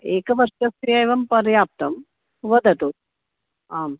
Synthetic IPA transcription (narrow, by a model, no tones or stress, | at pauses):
eːkɐʋɐɾʂɐst̪ijɐeːʋɐmpɐɾjaːp̚t̪ɐm | ʋɐd̪ʱɐt̪ut̪ | aːm